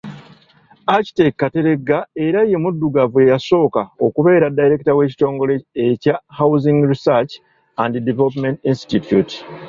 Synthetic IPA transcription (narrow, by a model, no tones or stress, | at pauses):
aci̥te̞kːate̞ɾe̞ɡːae̞ɾajːe̞mudːuɡavwe̞jaso̞ːkao̞kuβe̞ːɾadːajiɾe̞ktawe̞ːci̥to̞ːŋɡo̞leecahawziŋɡɾisat͡ʃ | andidivelop̬mentinstitjuti̥